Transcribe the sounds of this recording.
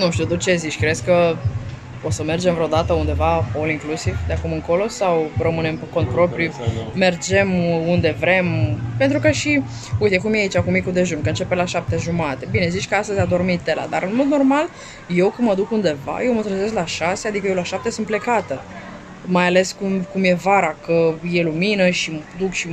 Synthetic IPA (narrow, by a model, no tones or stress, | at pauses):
nuʃt̪iut̪ot̪̚t͡ʃe̞zit͡ʃʲkɾe̞skə | osəme̞rd͡ʒemvɾeod̪at̪əund̪e̞vaoliŋklusivd̪eakumɨŋko̞lo̞sawrəmɨne̞mpeko̞nt̪̚pɾo̞pɾjume̞rd͡ʒe̞mund̪e̞vɾe̞mpe̞nt̪ɾukəʃi | ujt̪ekumjeait͡ʃakumikud̪e̞ʒunkəɨnt͡ʃe̞pelaʃap̚t̪e̞ʒumat̪e̞bine̞zit͡ʃkəast̪əzʲad̪o̞rmit̪̚t̪ːe̞la̰d̪aɾɨnmo̞d̪no̞rmal | je̞wkɨnməd̪ukund̪e̞va̰jewmət̪ɾəze̞s̬klaʃasead̪ik̬əjewlaʃap̚t̪e̞sɨnt̪ple̞kat̪ə | majale̞skumkumje̞vaɾakəje̞luminəʃid̪ukʃi